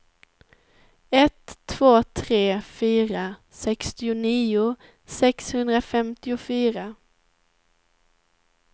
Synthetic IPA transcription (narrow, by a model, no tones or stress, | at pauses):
ɛt̪ʰːv̥oːt̪ʰɾeːfyːɾasɛkst̪ɪʊniːʊ | sɛkshɵnd̪ɾafɛmt̪ɪʊfyːɾa